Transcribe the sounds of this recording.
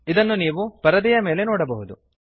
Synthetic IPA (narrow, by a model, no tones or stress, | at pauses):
id̪ɐnːuniːʋupɐɾɐd̪ijɐme̞ːle̞noːɽɐbɐɦud̪u